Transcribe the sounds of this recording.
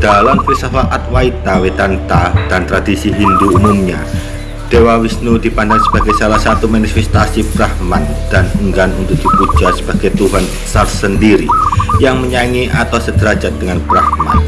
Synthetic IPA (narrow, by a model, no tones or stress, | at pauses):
d̥alamkisafaʔat̪̚wait̪awet̪ant̪ad̥ant̪ɾadisiɦinduːmumɲa | d̥ewawisnudipandaŋsəbaɡajsalahsat̪umanifɛst̪asibɾahmand̥anəŋɡanunt̪ʊk̚d̥ipu̥d͡ʒasə̥b̥aɡajt̪uɦan | sarsəndiɾijaŋməɲaŋiʔat̪awsəd̪̥əɾad͡ʒat̪̚d̥əŋanbɾahma̰n